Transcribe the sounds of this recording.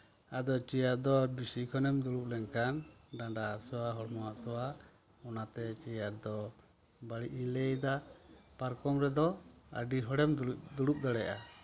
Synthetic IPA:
ad̪ɔt͡ʃijaɾd̪ɔbisikʰɔnɛmd̪uɽuʔ̚lɛnkanɖãɖaasɔwaɦɔɽmɔwaʔsɔwa | ɔnat̪ɛt͡ʃijaɾd̪ɔ | baɽiʔilɛjd̪apaɾkɔmɾɛd̪ɔa̰ɖiɦɔɽɛmd̪uɽup̚ɡ̪aɽɛʔa

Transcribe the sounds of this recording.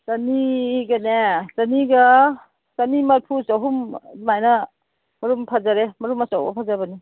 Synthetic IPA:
sɐniɡɐnesɐniɡa | sɐnimɐɾpʰusɔɦumzimajna | mɐɾumpʰazaɾemɐɾumasawba̰pʰazabɐni

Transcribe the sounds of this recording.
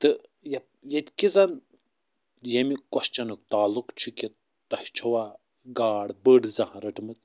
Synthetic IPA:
t̪ɨjɐp̚jɐt̪ʲkizɐn | jemikwɐst͡ʃɐnuk̚t̪aːlukt͡ʃʰikʲi | t̪ɐht͡ʃʰɐwaː | ɡaːɽbəɽzɐɦãɾɐʈʰmɨt͡s

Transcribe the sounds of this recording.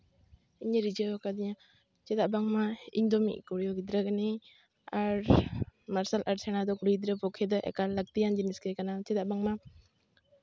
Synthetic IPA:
iɲəɾid͡ʒɔakad̪iɲa | t͡ʃɛd̪aʔbaŋmaḭɲd̪ɔmḭʔkuɾjɔɡid̪ɾaɡani | aɾmaɾsalʔaɾsenad̪ɔkuɾid̪ɾəpɔkʰed̪ɔʔɛ̰kalːak̚t̪ijand͡ʒiniskekanat͡ʃɛd̪aʔbaŋma

